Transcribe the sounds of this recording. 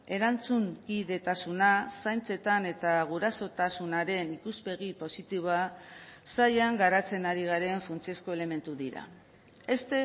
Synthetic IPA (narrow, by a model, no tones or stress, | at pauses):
e̞ɾant͡suŋɡiðe̞t̪asunasajnt͡se̞t̪ane̞t̪aɣ̞uɾaso̞t̪asunaɾe̞nikuzpe̞ɣipo̞sit̪iβoasajaŋɡaɾat͡se̞naɾiɣ̞aɾe̞ɱfunt͡siesko̞e̞le̞me̞nt̪uðiɾa̰ | e̞st̪e̞